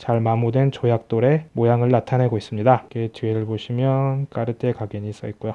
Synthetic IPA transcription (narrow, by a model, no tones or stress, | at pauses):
t͡ɕaɭmamudwe̞nt͡ɕojak̚t͈oɾe̞mojaŋɯɭnatʰane̞ɡois͈ɯmɲidaket͡ɕieɾɯɭboɕʰimjʌnk͈aɾɯt͈ʰe̞kaɡeɲiːs͈ʌik̚k͈ujo